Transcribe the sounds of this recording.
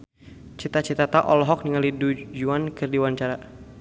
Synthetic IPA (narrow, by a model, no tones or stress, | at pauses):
t͡ʃit̪at͡ʃit̪at̪aʔɔlɔɦɔk̚niŋalidud͡ʒuankɨrdiwaɲt͡ʃaɾa